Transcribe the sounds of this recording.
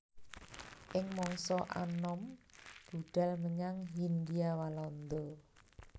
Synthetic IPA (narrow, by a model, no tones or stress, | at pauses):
ʔɪŋmɔŋsɔʔa̰nɔmb̥ṳɖ̥a̤lməɲaŋɦind̪iawalɔnd̪ɔ